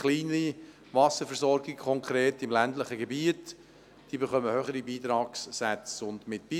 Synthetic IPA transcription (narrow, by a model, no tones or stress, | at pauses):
χliːnəi | vɑsəfɛɾsɔɾɡɪkʰɔŋkɾeːtɪmlæntləχəɡɛbiət | d̥iːbɛχœməhøχəɾibiːt̪ɾɑːksːæt͡sʊndmɪtb̥iː